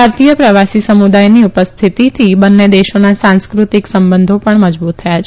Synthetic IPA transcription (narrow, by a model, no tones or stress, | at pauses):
aɾt̪ijəpɾəʋasisəmud̪ajniupəst̪ʰit̪it̪ʰibənːed̪eʃonasãnskɾut̪iksəmbənd̪ʱopəɳməd͡ʒbut̪ʰːəjat͡ʃʰ